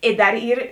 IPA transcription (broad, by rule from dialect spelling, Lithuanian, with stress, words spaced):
ɪ ˈdɐr ˈiːr